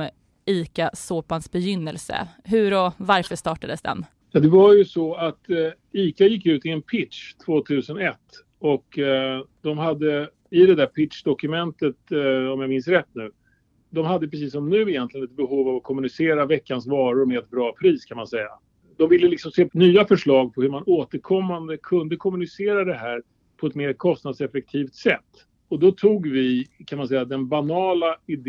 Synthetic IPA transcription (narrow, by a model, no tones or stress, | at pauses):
iːkasoːpansbɛjʏnːəlsə̰ | ɦɵ̟ɾɔvaɾfœʂt̪ɑːʈad̪əsd̪ɛ̰n | jɑːd̪ɛvaɾjɵsɔat̪ | iːkajɪk̬ːjʉ̟ːt̪ɪɛnpʰɪtʂt̪ʰvoːt̪ʰʉ̟ːsənɛt̪ː | ɔk | d̪̥ɔmɦad̪ːə | ɪd̪ɛd̪æɾpʰɪt̪ʂd̪ɔkɵmɛnt̪ət̪ɔmjamɪnsɾɛt̪ːnʉ̟ː | d̪ɔmɦad̪ːəpɾɛs̬iːs̬ːɔmnʉ̟ːɪjɛnt̪lɪɡənɛt̪̚bɛɦuːvavakʰɔmɵnɪseːɾavɛkːansvɑːɾʊɾmɛɛt̪̚bɾɑːpʰɾiːskʰanmansɛjːa̰ | d̪ɔmvɪlːəlɪksɔmseːnyːafœʂɭɑːɡ̚pʰɔhɵɾmanoːt̪əɾkʰɔmːand̪əkʰɵnd̪əkʰɔmɵnɪseːɾad̪ɛɦæːɾ | pʰɔɛt̪meːɾkʰɔst̪nad̪sɛfɛk̚t̪ʰiːft̪sɛt̪ː | ɔd̪ɔt̪ʰuːɡvɪkʰanmansɛjːad̪ɛnbanɑːlaɪd̪